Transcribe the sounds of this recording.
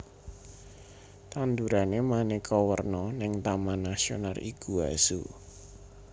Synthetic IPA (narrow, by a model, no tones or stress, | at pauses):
t̪and̪uɾanemanekɔwərnɔnɪŋt̪amanasionalḭkuasṵ